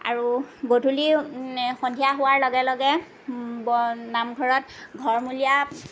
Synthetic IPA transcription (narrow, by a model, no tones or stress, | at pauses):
a̰ɹuɡodʱulixɔndʱijaɦʊwaɹlɔɡɛlɔɡɛ | bnamɡʱɔɹɔtɡʱɔɹmulija